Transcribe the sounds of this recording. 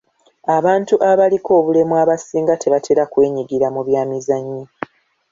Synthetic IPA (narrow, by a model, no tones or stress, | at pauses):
aβaːntuʔaβaliko̞ːβulemwaβasiːŋɡatʰeβatʰeɾakwe̞ːɲiɡiɾamuβjaːmizaɲːi